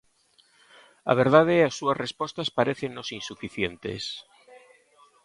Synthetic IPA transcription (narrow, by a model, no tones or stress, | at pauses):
a̰β̞eɾðað̞easːuazrespɔst̪aspaɾeθeŋnosinsufiθjent̪ḛs